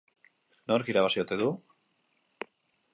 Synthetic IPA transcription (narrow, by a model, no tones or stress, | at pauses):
no̞ɾkiɾaβasio̞t̪e̞ðu